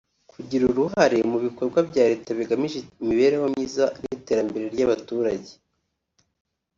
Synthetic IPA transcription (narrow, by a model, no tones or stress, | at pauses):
kʰuɟiɾuɾuɦaɾe̞muβiko̞ɾɡwabɟaːɾe̞ːtaβiɡamiʒemiβe̞ːɾehomɲiːzanite̞ːɾambe̞ɾe̞ɾɟaβatuːɾaɟe